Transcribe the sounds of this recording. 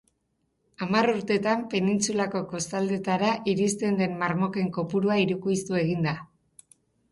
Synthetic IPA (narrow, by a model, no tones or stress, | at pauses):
amaruɾt̪e̞t̪ampe̞nint͡sulako̞ko̞st̪ald̪e̞t̪aɾaʔiɾist̪e̞nd̪e̞mːarmo̞ke̞ŋko̞puɾuaiɾukujst̪ue̞ɣ̞ind̪a